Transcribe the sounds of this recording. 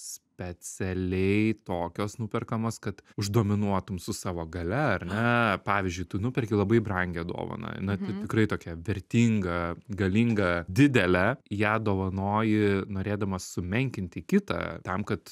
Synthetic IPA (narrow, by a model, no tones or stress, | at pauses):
sʲpʲɛt͡s̪ʲɛlʲɛɪt̪oːkʲoːsnʊpʲɛrkɐmoːskɐt̪ʊʒd̪oːmʲɪnuɔt̪ʊmsʊsɑːʋoːɡɐlʲɛɐɾʲnʲɛpɑːʋʲɪzʲd͡ʒʲʊɪt̪ʊnʊpʲɛɾʲkʲɪlˠɐbɐɪbrɐŋʲɡʲɛd̪o̰ːʋɐ̰nɐ̰nɐt̪ʲɪtʲɪkɾɐɪt̪oːkʲɛʋʲɛɾʲt̪ʲiːŋɡɐɡɐlʲiŋɡɐd̪ʲɪd̪ʲɛlʲæjæːd̪oːʋɐnoːjɪnoːɾʲeːd̪ɐmɐsʊmʲɛŋʲkʲɪnʲt̪ʲɪkʲɪt̪ɐ̰t̪ɐmkɐt̪